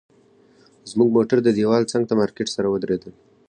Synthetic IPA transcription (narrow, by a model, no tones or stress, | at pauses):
zmuɡ̚moʈaɾd̪əd̪ewɑlt͡saŋɡ̚t̪amɑɾkeʈsaɾawəd̪ɾed̪əl